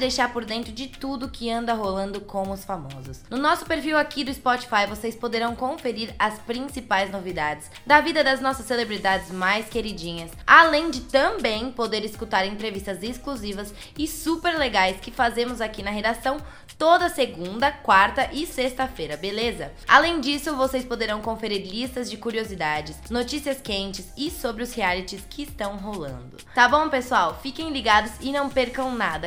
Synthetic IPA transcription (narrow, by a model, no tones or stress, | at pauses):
d̪ejʃaɾpoɾd̪ẽnt̪ɾʊd͡ʒɪt̪ud̪ʊkɪɐ̃nd̪ɐɦolɐ̃nd̪ʊkõmʊʊsfamɔzʊsnʊnɔsʊ̥peɾfiwakid̪ʊɪspɔt͡ʃi̥fajvosejspod̪eɾɐ̃w̃kõfeɾiɾɐspɾĩsipajznovid̪ad͡ʒɪs | d̪ɐvid̪ɐd̪ɐznɔsɐsːelebɾid̪ad͡ʒɪzmajskeɾid͡ʒĩɲɐsalẽj̃d͡ʒɪt̪ɐ̃bẽj̃pod̪eɾɪskut̪aɾẽnt̪ɾevist̪ɐzɪskluzivɐs | ɪsupeɾleɡajskɪfazẽmʊzakinɐɦed̪asɐ̃w̃ | t̪od̪ɐseɡũnd̪ɐkwaɾt̪ɐʔɪsest̪ɐfejɾɐbelezɐ | alẽj̃d͡ʒisʊvosejspod̪eɾɐ̃w̃kõfeɾiɾlist̪ɐzd͡ʒɪkuɾiozid̪ad͡ʒɪsnot͡ʃisiɐskẽnt͡ʃɪsɪsobɾɪʊshialit͡ʃɪskʰɪːst̪ɐ̃w̃ɦolɐ̰̃nd̪ʊt̪abõw̃pesuawfikẽj̃liɡad̪ʊzɪnɐ̃w̃peɾkɐ̃w̃nad̪ɐ